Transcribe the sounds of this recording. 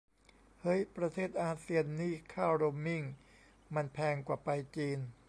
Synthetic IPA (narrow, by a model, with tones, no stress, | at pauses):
hɤ˦˥jpɾa˧t̪ʰeː˥˩t̪̚ʔaː˧si˧ənːiː˥˩kʰaː˥˩wɾoː˧mːi˥˩ŋ | ma˧npʰɛː˧ŋkwaː˨˩pa˧jt͡ɕiː˧n